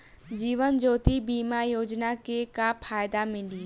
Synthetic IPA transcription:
d͡ʒiːʋənd͡ʒoːt̪ibiːmajoːd͡ʒnakekapʰaːjd̪amɪ̃li

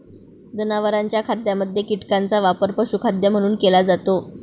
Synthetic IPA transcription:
d͡zənaʋəɾaɲt͡ɕjakʰad̪jaməd̪ʱːjekiʈkant͡saʋapəɾpəɕukʰad̪jam̤əɽ̃uːnkelad͡zat̪o

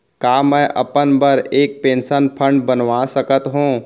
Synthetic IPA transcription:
kaːmɛ̃ːʔɐpənbəɾeːk̚pẽːnsənpʰə̃ɳɖbɐnʋasəkət̪ɦũː

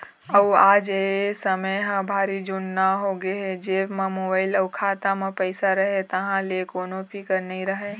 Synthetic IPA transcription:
əwaːd͡ʒesəməjɦãbʱaːɾid͡ʒunːaɦoɡeɦed͡ʒeːbmẽmoːbaːɪlɐwkʰaːt̪amẽpəɪsaɾɐɦet̪ɐɦãlekoːnõpʰikəɾnɐɦĩɾɐɦe

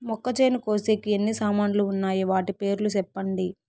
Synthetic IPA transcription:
mɔkːɐt͡ʃejnukoːseːkienːisaːmaːnluːnːaːjiʋaːʈipe̞ːɾulusɛpːɐɳɖi

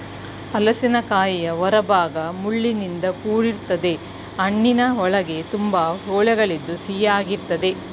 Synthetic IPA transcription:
ɐlɐsinɐkaːjijɐʋɔɾɐbʱaːɡɐmuɭːinind̪ɐkuːɾiɾt̪ɐd̪e̞ | ɐɳːinɐɔɭɐɡe̞t̪umbɐɦoːɭɛɡɐɭid̪ːusijaːɡiɾt̪ɐd̪e̞

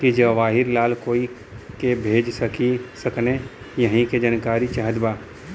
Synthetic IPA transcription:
kid͡ʒɐʋaːɦɪɾlaːlkoːi | kebʱeːd͡ʒsəkisəkne | jəɦĩked͡ʒɐnkaːɾit͡ʃaːɦəd̪baː

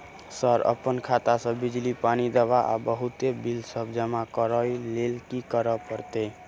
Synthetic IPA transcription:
səɾə̰pənkʰat̪asə̃bid͡ʒlipanid̪əbaʔa̰bəɦut̪ebilsəbd͡ʒəmakəɾəjlelkikəɾəpəɾt̪e

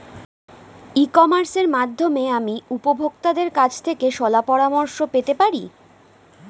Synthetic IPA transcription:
ikɔmaɾseɾmad̪ʱːomeamiupobʱokt̪ad̪eɾkat͡ɕʰt̪ʰekeʃɔlapɔɾamoɾʃopet̪epaɾḭ

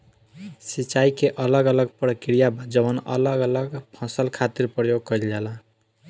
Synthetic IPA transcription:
sit͡ʃaikeʔʌləɡʌləɡpɾəkɾijabʱʌd͡ʒəwənʌ̰ləɡələɡpʰʌ̃səlkʰat̪iɾpɾəjoɡ̚kʌild͡ʒala

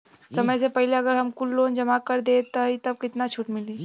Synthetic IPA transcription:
sɐməjsepɐɦileɐɡəɾɦɐmkʊlːoːnd͡ʒəmakəɾd̪et̪əit̪ɐb̚kɪt̪nat͡ʃʰuʈmɪliː

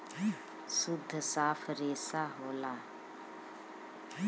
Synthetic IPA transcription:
sʊd̪ʱːsaːfʰɾeːsaːɦoːlaː

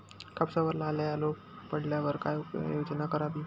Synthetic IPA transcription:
kapsaʋəɾlalaalopː | əɽljaʋəɾkajjod͡znakəɾaʋiː

